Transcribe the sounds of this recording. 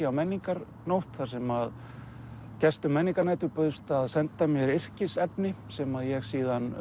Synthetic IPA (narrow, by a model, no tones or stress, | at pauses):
awmɛnːiŋkaɾ | nowht̪θaɾsɛmað | cɛst̪ʏmɛnːiŋkaɾnajt̪ʏɾpœðst̪aðsɛnt̪amjɛɾɪr̥cɪsɛpnɪsɛmaðjɛɣsiːðan